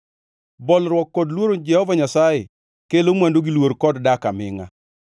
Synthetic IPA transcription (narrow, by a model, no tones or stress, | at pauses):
bɔlɾwɔkːɔdlwoɾond͡ʒɛhɔvaɲasaje | kelomwandoɡilwoɾkɔddakamɪŋa̰